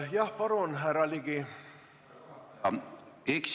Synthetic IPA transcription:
jɑhpɑɾonɦæɾɑliɡi | eks

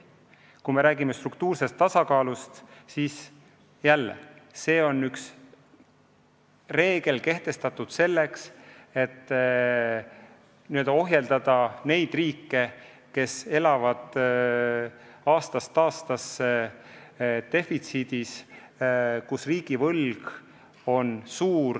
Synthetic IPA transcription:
kume̞ɾæːɡ̥imest̪rukt̪uːrse̞st̪ːɑsɑkɑːlust̪siːs | jælːḛse̞ːo̞nːyks | re̞ːɡ̥e̞lke̞ht̪e̞st̪ɑt̪ːˑud̪̥se̞lːe̞kse̞t̪ːˑ | niøld̪̥ɑo̞ɦjeld̪̥ɑd̪̥ɑne̞jd̪riːkːe | ke̞se̞lɑvɑd̪̥ | ɑːst̪ɑst̪ːɑːst̪ɑsːe | t̪e̞fit̪sid̪̥is | kusriːɡ̥ivɤlɡ̥ | o̞nsuːr

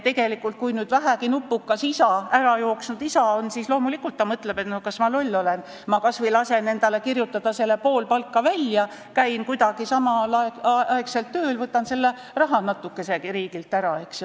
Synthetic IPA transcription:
t̪e̞ɡ̥e̞likːˑult̪̚kujnyːd̪̥væɦækinupːˑukːɑsisɑæɾɑjo̞ːksnud̪̥isɑo̞nsiːslo̞ːmulikːult̪ːɑmɤt̪ːle̞be̞t̪nokɑsmɑlo̞lʲːo̞le̞n | mɑkɑsvijlɑse̞ne̞nd̪ɑlekirjut̪ːˑɑd̪̥ɑse̞lːe̞po̞ːlpɑlkːɑvælʲjɑ | kæjnkujd̪ɑɡ̥isɑmɑlɑeɑekse̞lt̪ːøːlvɤt̪ːˑɑnse̞lːe | rɑɦɑnɑt̪ːˑukːˑe̞se̞iɾiːɡilt̪ːˑæɾɑeks

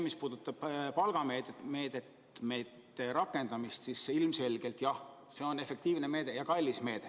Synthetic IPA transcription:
mispuːd̪ut̪ːˑɑb̥pɑlɡ̥ɑmeːme̞ːd̪et̪ | me̞ːt̪ːˑeɾɑkːˑe̞nd̪̥ɑmist̪siseilmse̞lʲɡ̥e̞lt̪jɑh | se̞o̞ne̞fe̞kt̪iːvne̞me̞ːd̪̥ejɑkɑlʲːisme̞ːd̪̥e

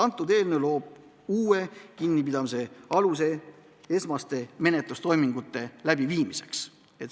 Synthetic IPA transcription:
ɑnt̪ːˑud̪̥e̞ːlnelo̞ːb̥̚ | uːe̞kinːipid̪ɑmise̞ɑlus̬e̞ | e̞smɑst̪e̞me̞net̪lust̪o̞jmiŋɡ̥ut̪ːˑe̞læbiviːmise̞̥ks | et̪

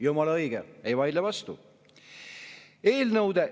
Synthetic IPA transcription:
jumɑlɑɤjɡ̥eejvɑjd̪levɑst̪u | e̞ːlnɤwd̪e

